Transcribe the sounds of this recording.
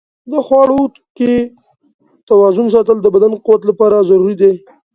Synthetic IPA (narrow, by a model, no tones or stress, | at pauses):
d̪əxwɑɽot̪ke | t̪awɑzʊns̬ɑt̪əld̪əbad̪anquwat̪lapɑɾazaɾuɾid̪e